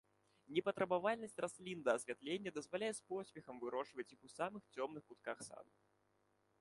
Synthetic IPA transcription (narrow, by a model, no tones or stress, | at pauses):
nʲɛpɐt̪ɾɐbavalʲnɐsʲtʲrʔasʲlʲind̪ɐːsʲvʲat̪lʲenʲːɐd̪ɐzvalʲajɛspɔsʲpʲɛxɐmvɨɾɔʂvɐt͡sʲjixusamɨxt͡sʲɔmnɨxkut̪̚kaxsa̰d̪u